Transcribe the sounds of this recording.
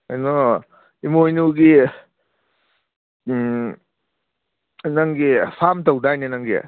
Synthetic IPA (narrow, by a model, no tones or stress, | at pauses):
ajnɔ | imojnuɡi | naŋɡipʰamtawdajnenaŋɡḭ